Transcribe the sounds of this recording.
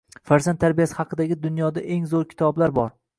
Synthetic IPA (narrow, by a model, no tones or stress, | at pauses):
faɾzant̪ːʰaɾbijasɪ̥hɑqʰɨd̪aɡʲɪd̪ʊnjɒd̪aʔeŋzoɾkʲʰɪ̥t̪ʰɒblaɾbɒɾ